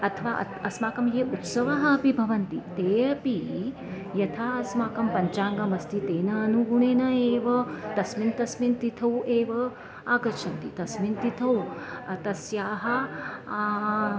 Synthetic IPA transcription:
ɐt̪ʰɐʋaːʔɐ̰ | ɐsmaːkɐmjeːut̪sɐʋɐɦɐːpibʱɐʋɐnt̪it̪eːɐpi | jɐt̪ʰaːɐsmaːkɐmpɐɲt͡ʃaːŋɡɐmɐst̪it̪eːnɐːnuɡuɳ̃eːnɐeːʋɐt̪ɐsmint̪ɐsmint̪it̪ʰɐweːʋɐ | aːɡɐt͡ʃʰɐnt̪it̪ɐsmint̪it̪ʰɐwɐt̪ɐsjaːɦɐ

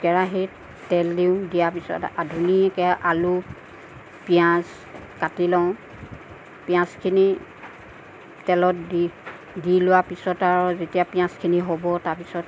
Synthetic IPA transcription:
ɡɛɹaɦi | tɛlːiʊ̃dijapisɔ̰tadʱuniɛkɛʔalu | pijãs | katilɔ̃ | pijãskʰini | tɛlɔtdi | dilʊwapisɔtaɹɔzetiapijãskʰiniɦobɔtaɹpisɔt

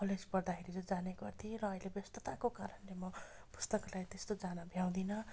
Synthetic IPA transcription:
pʰʌled͡zpʌrd̪akʰeɾid͡zʌd͡zaneɡʌrt̪ʰiɾʌːilebjʌst̪ʌt̪akokaɾʌnlemʌpu̥st̪ʌklajt̪est̪od͡zanabʱjaw̃d̪inʌ

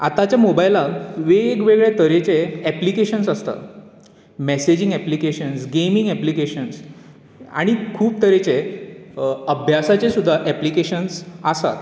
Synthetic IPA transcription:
at̪at͡ɕjamobajlaʋeːkʋeɡɭet̪əɾet͡seɛplikeɕənsəst̪a̰ | mɛsed͡ʑiŋɡɛplikeɕənsɡemiŋɡɛplikeɕəns | a̰ɽ̃ikʰuːp̚t̪əɾet͡se | əbʱjasat͡ɕesud̪ʱːaʔɛplikeɕənsasa̰t̪

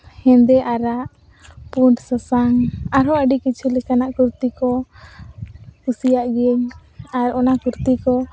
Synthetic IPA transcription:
hɛnd̪ɛʔaɾaʔ | puɳʈsəsaŋaɾɔəɖikit͡ʃʰulɛkanaʔkuɾt̪ikɔ | kusijaʔɡɛɲaɾɔnakuɾt̪ikɔ

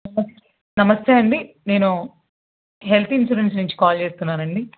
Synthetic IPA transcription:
nɐmɐs | nɐmɐst̪eːɐɳɖi | ne̞ːnu | ɦelt̪insuɽensnuɲt͡ʃi̥kaːlt͡ʃe̞ːst̪unːaːɾɐɳɖi

